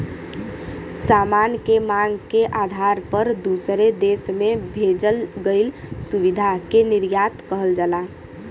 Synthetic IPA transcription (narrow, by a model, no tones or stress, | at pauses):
samankemaɡkeʔad̪ʱaɾpəɾd̪usɾed̪esmebʱed͡ʒəlɡəɪlsubid̪ʱakeniɾjat̪kəɦəld͡ʒala